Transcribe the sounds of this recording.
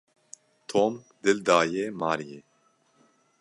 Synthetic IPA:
t̪ʰoːm | d̪ɨld̪aːjeːmɑːɾijeː

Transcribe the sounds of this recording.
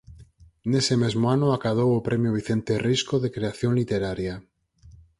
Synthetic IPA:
ne̞semezmoanoakað̞owopɾe̞mjoβ̞iθe̞nt̪eriskoðekɾeaθjõ̞nlit̪eɾaɾja

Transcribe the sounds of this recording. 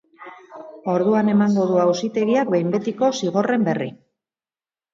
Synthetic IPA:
o̞ɾðuane̞maŋɡo̞ðuawsit̪e̞ɣiak̚bejmbe̞t̪iko̞siɣ̞o̞re̞mbe̞ri

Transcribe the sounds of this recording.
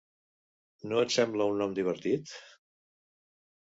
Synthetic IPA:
noət̪sɛmbləunːɔmd̪iβ̞əɾt̪it̪

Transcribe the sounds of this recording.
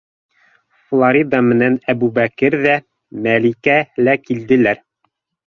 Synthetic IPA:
flˠoɾʲid̪ɑmɘ̆nænæbubækɘɾðæ | mælikælækild̪ɘ̆læɾ

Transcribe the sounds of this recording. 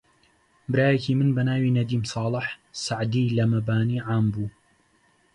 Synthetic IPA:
bɨɾaːjɐcimɨnbɐnaːwiːnɐd̪iːmsɑːlˠɨħsaʕd̪iːlɐmɐbaːniːʕaːmbuː

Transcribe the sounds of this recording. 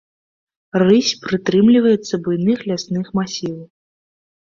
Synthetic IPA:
rɨsʲpɾɨt̪ɾɨmlʲivɐjɛt̪sːɐbujnɨxlʲasnɨxmasʲilˠ

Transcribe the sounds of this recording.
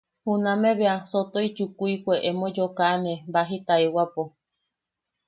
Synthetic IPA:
hunãmẽβeasot̪oit͡ʃukuikʷeʔemõd͡ʒokanẽbaɦit̪aewapo

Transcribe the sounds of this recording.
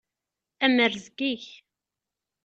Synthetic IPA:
æməɾzɡiç

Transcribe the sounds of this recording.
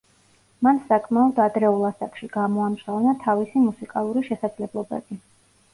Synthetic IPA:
mansakʼmaɔd̪ad̪ɾɛulˠasakʼʃiɡamɔamsavnat̪ʰavisimusikʼalˠuɾiʃɛsad̪zlɛblˠɔbɛ̰bi

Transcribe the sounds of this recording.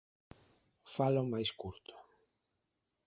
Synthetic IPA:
falomajskuɾt̪o̥

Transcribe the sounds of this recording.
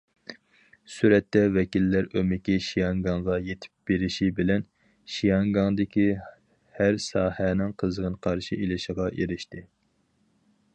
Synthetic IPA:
syɾɛt̪ːɛvɛkʲilːæɾømɪkʲiʃijɑŋɡɑŋʁɑjet̪ʰɪ̥p̚b̥eɾɪʃibɪlɛn | ʃijɑŋɡɑŋd̪ɪkʲʰi | hæɾsɑːhɛnɪŋqʰəzəʁənqʰɑɾʃiʔelɪʃɪʁɑʔeɾɪʃt̪ʰɪ

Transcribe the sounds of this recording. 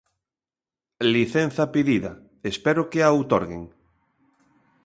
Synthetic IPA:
liθɛn̟θɐpiðiðɐ | espɛɾokeaowt̪ɔɾɣḛŋ

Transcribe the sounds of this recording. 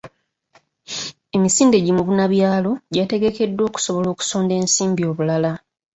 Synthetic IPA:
e̞misiːnde̞ɟimuβunaβjaːlo̞ɟate̞ɡe̞ke̞dːwo̞ːku̥so̞βo̞lo̞ːku̥so̞ːnde̞ːnsiːmbio̞ːβulala

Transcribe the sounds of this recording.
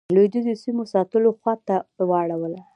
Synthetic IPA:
lojd̪əzosimosɑt̪əloxwɑt̪awɑɽawəla

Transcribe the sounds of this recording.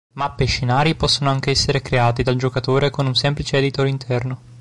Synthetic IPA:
mapːeʃːinaːɾipɔsːonoaŋk̟eɛsːeɾekɾeaːt̪id̪ald͡ʒokat̪oːɾekonunsɛmplit͡ʃeɛd̪it̪oɾint̪ʰɛrno

